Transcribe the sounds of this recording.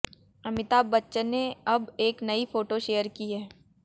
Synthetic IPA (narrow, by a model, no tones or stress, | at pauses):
ɐmɪt̪abɐtːʃənːeɐbeːknɐifoːʈoʃejəɾkiɦɛː